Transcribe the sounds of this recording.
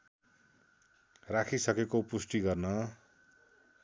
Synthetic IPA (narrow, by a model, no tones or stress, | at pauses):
rakʰisʌkekopusʈiɡʌrnʌ